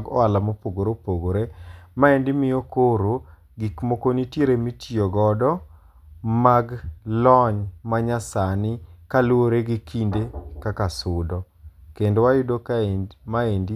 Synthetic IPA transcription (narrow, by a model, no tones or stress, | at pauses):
ɡɔ̰alamopoɡoɾopoɡoɾemaendɪmɪjokoɾo | ɡikmokonitjeɾemitioɡɔdɔ | maɡlɔɲmaɲasanɪkalwoɾeɡikʰindekakasʊdɔ | kendowajʊdokaemaendi